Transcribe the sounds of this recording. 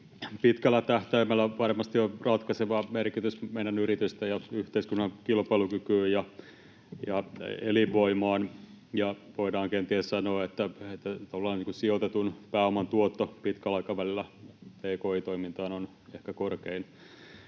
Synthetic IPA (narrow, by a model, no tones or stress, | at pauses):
pit̪kælːæt̪æht̪æimælːæʋɑrmɑst̪iorɑt̪kɑseʋɑmerkit̪ysmeidɑnyrit̪yst̪æjɑyht̪eiskunːɑkilpɑilukykyːjjɑ | jɑeliʋoimɑːn | jɑʋoidɑːŋkent̪iæssɑnoːet̪ːæet̪ːæt̪ːɑʋlːɑːniːŋkusiot̪et̪unpæːomɑnt̪uot̪ːopit̪kælɑikɑʋælilːæpeːkoːit̪oimint̪ɑːnon | ehkækorkein